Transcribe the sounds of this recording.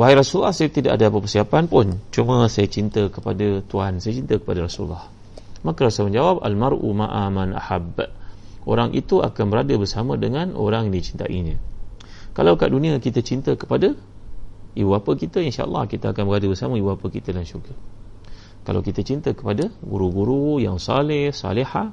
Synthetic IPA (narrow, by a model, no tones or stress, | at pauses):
waɦijɾasulːahsajət̪ida̰ʔadaapəpərsiapanpʊnt͡ʃumə̃sajat͡ʃint̪əkəpadat̪uansajat͡ʃint̪əkə̥padaɾasulːɑh | makəɾasaməɲd͡ʒawap̚a̰lmaɾʔṵmãʔamanʔa̰hab | ʔo̰ɾaŋʔḭt̪ua̰kanbəɾadəbərsamədəŋãnʔo̰ɾaŋdit͡ʃi̥nt̪a̰ʔiɲə̃ | kalawkaʔdunĩakit̪ət͡ʃint̪əkə̥pada | ibuapəkit̪əinʃa̰ʔɑ̰lːɑ̰hkit̪aakanbəɾadəbərsamə̃ibuapəkit̪ədanʃurɡa | kala̰wkit̪ət͡ʃint̪əkə̥padaɡṵɾuɡuɾujaŋsɑlɪhsɑ̰liha